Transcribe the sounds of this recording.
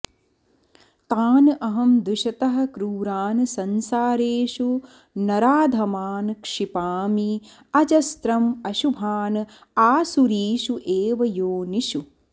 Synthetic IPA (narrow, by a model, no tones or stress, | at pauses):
t̪aːnʔɐɦɐmd̪uʃɐt̪ɐɦɐ̆kɾuːɾaːnɨsɐnsaːɾeːʃu | nɐɾaːd̪ʱɐmaːnkʂipaːmi | ɐd͡ʒɐst̪ɾɐmɐʃubʱaːnɨ | aːsuɾiːʃuʔeːʋɐjoːniʃu